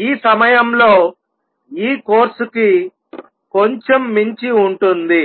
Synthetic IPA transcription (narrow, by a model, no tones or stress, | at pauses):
iːsɐmɐjɐmlo̞ː | iːkoːɾsuki | ko̞ɲt͡ʃemːiɲt͡ʃiuɳʈund̪i